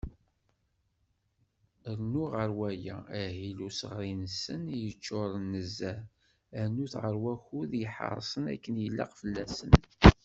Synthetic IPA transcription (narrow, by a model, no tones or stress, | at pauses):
əɾnuʁəɾwæjææhilusəʁɾinəsːənjət͡ʃːoɾˤənːəzːæ | ænuθʁəɾwæçuðjəħə̰ɾˤsˤənæ̰kːənjəlːɑ̰qfəlːæsə̰n